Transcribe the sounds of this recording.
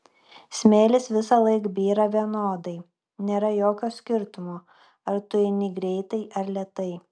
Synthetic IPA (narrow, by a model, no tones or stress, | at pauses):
sʲmʲeːlʲɪsʋʲɪsɐlˠɐɪkbʲiːɾɐʋʲiɛnoːd̪ɐɪ | nʲeːɾɐjoːkʲoːsʲkʲɪɾt̪ʊmoː | ɐɾt̪ʊɪnʲɪɡɾʲɛɪt̪ɐɪʔɐɾlʲɛt̪ɐɪ